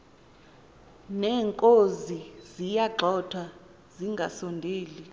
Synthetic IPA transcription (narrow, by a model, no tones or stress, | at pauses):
nɛːŋkʼozizijaǃʱɔtʰwa | ziŋɡʱasɔndʱeːli